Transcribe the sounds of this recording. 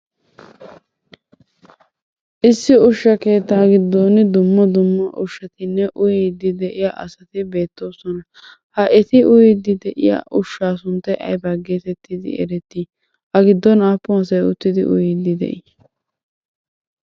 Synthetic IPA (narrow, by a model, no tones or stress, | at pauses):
ʔɪsːɪʊʃːɐke̞ːt̪ːaːɡɪd̪ːoːnɪd̪ʊmːɐd̪ʊmːɐʔʊʃɐt̪ɪnːɛʔʊjɪd̪ɪd̪ɛʔɪjaʔɐ̰sɐt̪ɪbe̞ːt̪ːo̞ːsɔnɐ | hɐʔɛt̪ɪʔʊjɪd̪ɪd̪ɛʔɪ̰ja̰ʔʊʃːaːsʊnt̪ːɛʔɐ̰jbɐɡeːt̪ɛt̪ːɪd̪ɪ̰ɛ̰ɾɛt̪ːi | ʔɐɡɪd̪ːɔnaːpːʊɐsɐjʊt̪ːɪd̪ɪ̰ʔʊ̰jɪd̪ɪd̪ɛ̰ʔɪ